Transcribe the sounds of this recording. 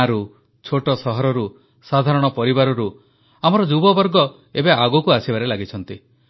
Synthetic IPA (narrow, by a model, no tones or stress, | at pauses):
aɾu | t͡ʃʰoʈɔsɔɦɔɾɔɾu | sad̪ʱaɾɔɽ̃ɔpɔɾibaɾɔɾu | amɔɾɔd͡ʒubɔbɔɾɡɔ | ebeaɡukuasibaɾelaɡit͡ʃʰɔnt̪i